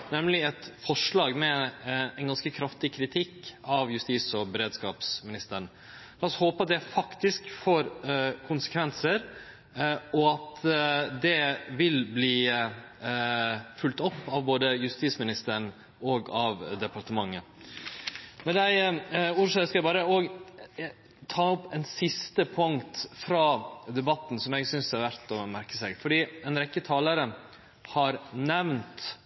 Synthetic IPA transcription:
nɛmlɪɛt̪fɔʂɭɑːɡmɛɛnɡɑnskəkʰɾɑft̪ɪkʰɾɪt̪ʰɪkːɑʋjʉst̪iːsɔbəɾeːd̪skɑːpsmɪnɪst̪əɳ | lɑːshoːpəɑt̪̚d̪ɛfɑkt̪ɪskfoːɾkʰʊnsə̥kʰʋɛnsəɾ | ɔɑt̪d̪ɛʋɪlbliː | fʉlt̪ɔpːɑʋboːd̪əjʉst̪iːsmɪnɪst̪əɳ | ɔɡɑʋd̪ɛpɑɾʈ̪əmɑŋːə | mɛnd̪æɪuːɾʂøskɑæbɑːɾəɔɡ | t̪ʰɑːɔpːɛnsɪst̪əpʰʊŋt̪fɾɑːd̪ɛbɑt̪ːn̩sɔmɛɡsʏnsæɾʋæɾt̪ɔmæɾkə̥sɛɡfɔɖiːɛnɾɛkːət̪ʰɑːləɾə | hɑɾnɛʋnt̪

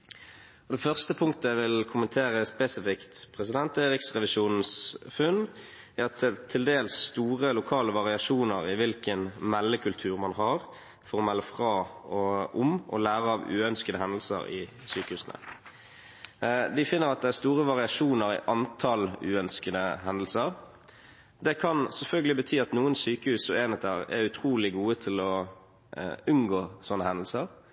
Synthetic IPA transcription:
ɔd̪ɛfœʁst̪əpʰʊŋkt̪əæʋɪlkʰʊmənt̪ʰeːʁəspeːsɪfɪkt̪pʰʁɛsɪd̪ɛnt̪eːʁɪksʁɛʋɪʃuːnn̩sfʉn | æʁɑt̪ɛt̪ʰːɪld̪eːlsːt̪uːʁəlʊkʰɑːləʋɑʁɪɑʂuːnəʁɪʋɪlkənmɛlːəkʰʉlt̪ʰʉːʁmɑnhɑʁ | fɔʁɔmɛlːəfʁɑːɔʊmʔɔ̰læːʁəɑːʋʉ̰ːœnskəd̪əhɛnd̪l̩sə̰ʁɪ̰ | syːkəhʉːsnə̰ | d̪ɪfɪnːəɾɑt̪̚d̪ɛæst̪uːʁəʋɑʁɪɑʂuːnəɾɪ̰ʔɑnt̪ʰɑlʉ̰ːœnskəd̪əɦɛnd̪əl̩səʁ | d̪ɛkʰɑnsɛlfœlɡəlɪbət̪ʰyːɑt̪nuːənsyːkəhʉːsɔeːnət̪ʰəʁɛ̰ɾʉt̪ʰʁuːlɪɡuːət̪ʰɪlɔ | ʉnɡoːsɔnːəhɛnd̪əl̩səʁ

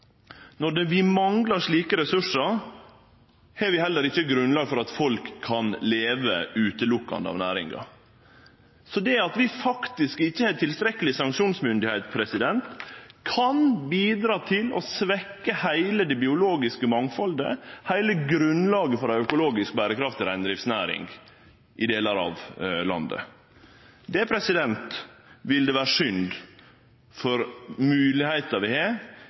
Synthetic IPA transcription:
nɔɖɛʋɪmɑŋɡlɑɾʂɭiːkəɾɛsʉʂəɾ | hɛʋɪhɛlːəɾɪçːəɡɾʉnlɑːɡfɔɾɑt̪fɔlkʰːɑnleːʋə̰ʉːt̪əlʊkːɑ̰nd̪əɑ̰ʋnæ̰ːɾɪ̰ŋɡɑ̰ | sɔd̪ɛɑt̪ʋɪfɑkt̪ɪskɪçːəhɛt̪ʰɪlst̪ɾɛkːəlɪsɑŋkʂuːnsmʏnd̪ɪhɛɪt̪pʰɾɛsɪd̪ɛnt̪kʰɑnbiːd̪ɾɑːt̪ʰɪlɔ̰sʋɛkːəhæɪləd̪ɛbɪʊloːɡɪskəmɑŋfɔld̪ə̰hæɪləɡɾʉnlɑːɡəfɔɾæœkʊloːɡɪsk̚bæːɾəkʰɾɑft̪ɪɾæɪnd̪ɾɪfsnæːɾɪ̰ŋɡ | ʔɪd̪eːlɑɾɑ̰ʋlɑ̰nd̪ə̰ | d̪ɛpʰɾɛsɪd̪ɛnt̪ʋɪld̪ɛʋæːɾəʂʏnd̪ | fɔɾmʉːlɪhæɪt̪ɑʋɪhe

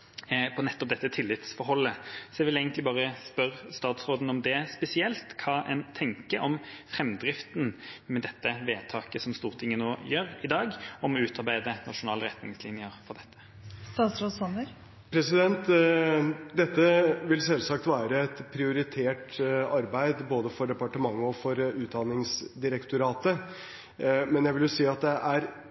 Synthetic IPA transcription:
pʰɔnɛt̪ːɔp̚d̪ɛt̪ːət̪ʰɪlːɪt̪sfɔɾhɔlːəsɔɛʋɪlæɪɡənt̪lɪbɑːʁəspœʁst̪ɑːt̪sɾoːd̪n̩ɔmd̪ɛspɛsɪɛlt̪kʰɑːʔɛnt̪ʰɛŋkəɔmfɾɛmd̪ɾɪft̪nmɛd̪ɛt̪ːəʋeːt̪ʰɑːkəsɔmst̪uːʁt̪ʰɪŋːənoːjøːʁɪd̪ɑːɡɔmɔʉːt̪ɑʁbæɪd̪ənɑʂʊnɑːləʁɛt̪nɪŋslɪnjəɾfɔʁd̪ɛt̪ʰːə̥ | st̪ɑːt̪sɾoːsɔnəɾ | pʰɾɛsɪd̪ɛnt̪ | d̪ɛt̪ːəʋɪlsɛlsɑkt̪ʋæːɾəɛt̪pʰɾɪʊɾɪt̪ʰeːʈɑɾbæɪd̪boːd̪əfɔɖɛpɑʈəmɑŋːəɔfɔɾʉːt̪̚d̪ɑnɪŋsd̪ɪɾɛkt̪ʊɾɑːt̪ə | mɛnjæɪʋɪljʊsiːɑt̪̚d̪ɛʔæɾ

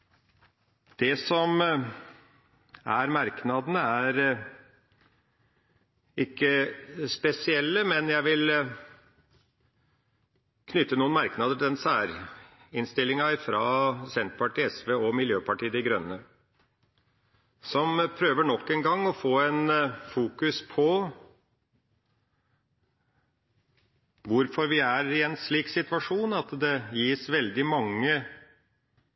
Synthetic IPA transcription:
d̪̥ɛsɔm | æɾmɑɾknɑd̪ənəæɾ | ɪkːəspɛsɪɛlːəmɛnjæɪʋɪl | kʰnʏt̪ːənuːənmɑɾknɑd̪əʈ̪ʰɪd̪ɛnsæːɾ | ɪnst̪ɪlːɪŋɑfɾɑːsɛnt̪pɑʈiːɛsʋeːɔmɪljøːpʰɑʈiːəd̪ɪɡɾœnːə | sɔmpʰɾøːʋəɳɔkːɛnɡɑŋːɔfoːɛnfuːkʉspʰɔ | ʋʊɾfɔɾʋɪæɾɪɛnsɭiːksɪt̪ʋɑʂuːnɑt̪d̪ɛjiːsʋɛld̪ɪmɑŋːə

